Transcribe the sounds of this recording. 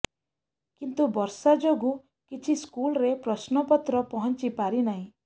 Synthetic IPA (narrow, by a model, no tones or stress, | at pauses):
kint̪ubɔɾsad͡ʒoɡu | kit͡ʃʰiskulɾepɾɔsnɔpɔt̪ɾɔpɔɦɔnt͡ʃipaɾinaɦĩ